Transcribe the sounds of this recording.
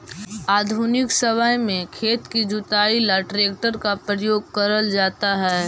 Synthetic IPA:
aːd̪ʱunɪksɐʋaːjmẽkʰeːt̪kid͡ʒʊt̪aːilaʈɾeːk̚ʈəɾkapɾəjoːɡ̚kɐɾəld͡ʒaːt̪aɦɛː

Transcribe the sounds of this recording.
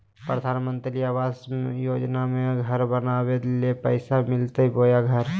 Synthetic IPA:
pɾəd̪ʱaːnmə̃nt̪liaʋaːsjoːd͡ʒnamẽɡʱəɾbənabed̪lepəɪsamɪlt̪ebojaɡʱəɾ

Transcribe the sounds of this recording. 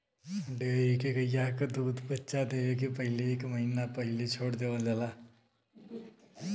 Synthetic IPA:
ɖeikekəjakad̪uːd̪pətːt͡ʃad̪eʋekipəɦɪleːkməɦinapəɦilet͡ʃʰoːɽd̪eʋəld̪ala

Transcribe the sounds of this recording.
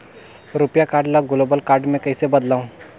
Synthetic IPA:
ɾupjakaɾɖlaɡulobəlkaɾɖmẽkəjsebəd̪law

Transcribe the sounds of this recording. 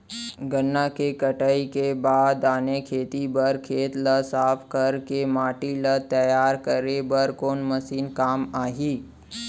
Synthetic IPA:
ɡənːakekəʈaikebaːd̪aːnekʰeːt̪ibəɾkʰeːt̪lɐsaːpʰkəɾkemaːʈilət̪əjaːɾkəɾebəɾkoːnməsiːnkaːmaːɦiː

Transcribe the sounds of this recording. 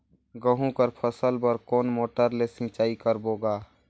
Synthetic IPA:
ɡəɦũkəɾpʰəsəlbəɾkoːnmoːʈəɾlesɪ̃t͡ʃaːikəɾboːɡaː

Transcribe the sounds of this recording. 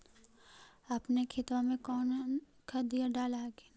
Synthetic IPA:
apnekʰɪt̪ʋãmẽkɔːn | kʰəd̪ijaɖaːlaɡe

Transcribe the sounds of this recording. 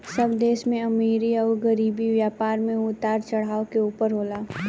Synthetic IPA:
sɐbd̪eːsmẽɐmiːɾiɔːɾɡɐɾiːbiʋjaːpaːɾmẽʊt̪aːɾt͡ʃɐɽ̤aːokeuːpəɾɦoːlaː

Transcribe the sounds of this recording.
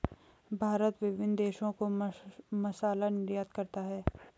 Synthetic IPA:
bʱaːɾət̪ʋɪʋɪnd̪eːʃõko | mɐsaːlanɪɾjaːt̪kɐɾt̪aɦɛː

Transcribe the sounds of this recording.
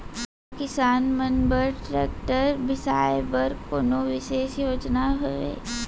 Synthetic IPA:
kɪsaːnmənbəɾʈɾɛːk̚ʈəɾbɪsaːebəɾkoːnoʋɪʃeːʃjoːd͡ʒnaɦʊʋḛː

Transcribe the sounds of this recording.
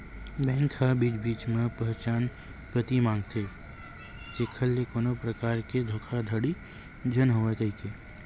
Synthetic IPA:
bɛ̃ːŋkʰhabiːt͡ʃbiːt͡ʃmẽpəɦt͡ʃaːn | pɾət̪imãːŋɡt̪ʰe | t͡ʃekʰəlːekoːnopɾəkaːɾked̪ʱoːkʰad̪ʱəɽi | d͡ʒənɦoːekəɦik̪ʰeː

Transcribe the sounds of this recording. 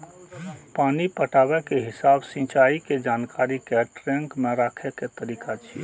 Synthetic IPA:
panipəʈabɛkeɦɪsabsĩt͡ʃaiked͡ʒankaɾikeʈɾeŋkmẽɾakʰɛket̪əɾiːkat͡ʃʰḭ

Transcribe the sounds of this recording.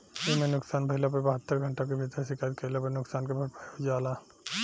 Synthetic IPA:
emẽnʊksaːnbʱəɦɪlapəɾbəɦət̪ːəɾɡʱəɳʈak̬ebʱit̪ɾsɪkaːjt̪̚kʰəlapəɾnʊksaːnkebʱəɾpaod͡ʒaːlaː

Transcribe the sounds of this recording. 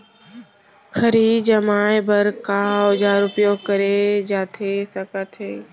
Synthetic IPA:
kʰəɾiːd͡ʒəmaːebəɾkaʊd͡ʒaːɾʊpjoːɡ̚kəɾed͡ʒaːt̪ʰesəkət̪ɦeː

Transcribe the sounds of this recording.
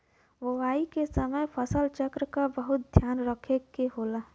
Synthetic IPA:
ʋəʋaːikesəməjpʰəsəlt͡ʃəkɾəkabəɦʊt̪̚d̪ʱjaːnɾəkʰekeɦoːlaː

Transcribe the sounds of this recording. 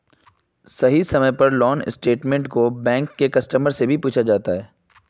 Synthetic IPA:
sɐɦisɐməjpɐɾlɔːnɪ̰sʈeːʈmẽɳʈkobɛ̃ːŋkːekɐsʈəməɾsebʱipuːt͡ʃʰad͡ʒaːt̪aɦɛː

